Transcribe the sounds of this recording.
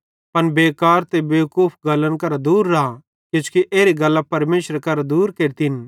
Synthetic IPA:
pɐnbeːkaːɾt̪ebeːkuːpʰɡɐlənkɐɾad̪uːɾːa | kɪt͡ʃkiʔeːɾiɡɐlːapɐɾmeːʃɾkɐɾad̪uːɾkeːɾt̪ɪn

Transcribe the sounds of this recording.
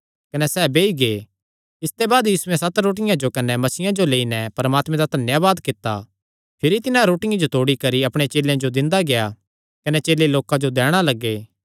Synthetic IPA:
kɐnɛsɛːbeːiɡe | ɪst̪ebaːd̪jiːsuɛ̃sɐt̪ɾoːʈ̬ɪjãd͡ʒokɐnɛmɐsiːjãd͡ʒoleːinɛpɐɾəmaːt̪mɛ̃d̪at̪ɐnjaʋaːd̪kɪt̪ːa̰ | pʰɪɾit̪ɪnãɾoːʈɪjãd͡ʒot̪oːɽikɐɾiɐpɽ̃et͡ʃeːlːjãd͡ʒod̪ɪ̃nd̪aɡeja | kɐnɛt͡ʃeːleloːkãd͡ʒod̪ɛːɽ̃alɐɡːeː

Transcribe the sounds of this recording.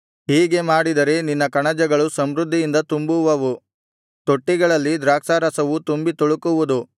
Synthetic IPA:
ɦiːɡe̞maːɽid̪ɐɾe̞ninːɐkɐɳɐd͡ʒɐɡɐɭusɐmɾud̪ʱːijind̪ɐt̪umbuʋɐʋu | t̪o̞ʈːiɡɐɭɐlːid̪ɾaːkʂaːɾɐsɐʋut̪umbit̪oɭukuʋud̪u

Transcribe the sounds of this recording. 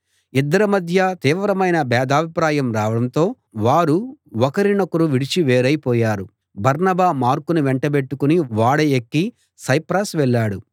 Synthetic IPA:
id̪ːɐɾɐmɐd̪ʱjɐt̪iːʋɾɐmɐjnɐbɛːd̪aːbʱipɾaːjɐmɾaːʋɐɽɐnt̪o̞ː | ʋaːɾuɔkɐɾinɐkːuɾuʋiɽit͡ʃiʋeːɾɐjpɔːjaːɾu | bʱɐɾnɐbaːmaːɾkuniʋeɳʈɐbe̞ʈːukuniʋaːɽɐjekːi | sɐjpɾaːsʋɛɭːaːɽu

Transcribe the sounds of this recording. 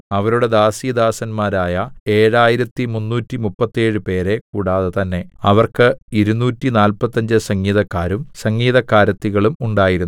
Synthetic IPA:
ɐʋɐɾuɽe̞d̪aːsijd̪aːsɐnmaːɾaːjɐe̞ːɻaːjiɾɐt̪ːimunːuːtːimupːɐt̪ːe̞ːɻɨpe̞ːɾe̞kuːɽaːðet̪ɐnːe̞ɐʋɐrkɨiɾunːuːtːinaːlpɐt̪ːɐɲd͡ʑɨsɐŋːiːðɐkːaːɾumsɐŋːiːðɐkːaːɾɐt̪ːiɣɐɭumuɳɖaːjiɾunː

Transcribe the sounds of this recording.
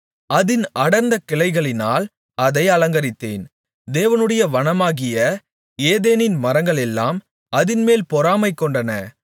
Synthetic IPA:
ɐðɪnɐɽɐnd̪ɐkɪɭɐɪɣɐɭɪnaːl | ɐðɐɪɐlɐŋɡɐɾɪt̪ːḛːn | d̪eːʋɐnɯɽɐjɐʋɐnɐmaːɣɪjɐ | eːðeːnɪnmɐɾɐŋɡɐɭɛlːa̰ːm | ɐðɪnmeːlpɔɾaːmɐɪkːɔɳɖɐnɐ̰

